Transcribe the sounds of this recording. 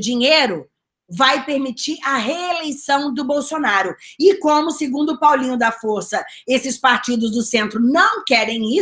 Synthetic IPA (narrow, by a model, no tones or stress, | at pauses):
d͡ʒĩɲeɾʊ | vajpeɾmit͡ʃiɾɐɦeelejsɐ̃w̃d̪ʊbowsonaɾʊɪkõmʊsɪɡũd̪ʊpawlĩɲʊd̪ɐfoɾsɐ | esɪspaɾt͡ʃid̪ʊzd̪ʊsẽnt̪ɾʊnɐ̃w̃kɛɾẽj̃i